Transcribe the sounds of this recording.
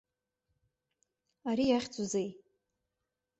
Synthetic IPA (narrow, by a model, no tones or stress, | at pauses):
aɾijaχʲt͡sʷʼuzej